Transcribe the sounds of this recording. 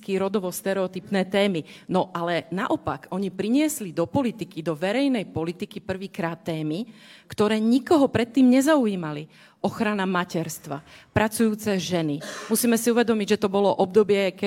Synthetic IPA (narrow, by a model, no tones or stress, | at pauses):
kiːɾɔd̪ɔʋɔst̪ɛɾɛɔt̪ipnɛːt̪ɛːminɔʔalɛnaʔɔpa̰kɔɲipɾiɲɪɛslid̪ɔpɔlit̪ikid̪ɔʋɛɾɛjnɛjpɔlit̪ikipr̩ʋiːkɾaːt̪ːɛːmikt̪ɔɾɛːɲikɔɦɔpɾɛt̪ːiːmɲɛzauiːmali | ɔxɾanamacɛɾst̪ʋa̰pɾat͡sujuːt͡sɛʒɛnimusiːmɛsiuʋɛd̪ɔmiɟʒɛt̪ɔbɔlɔʔɔb̚d̪ɔbɪɛkɛ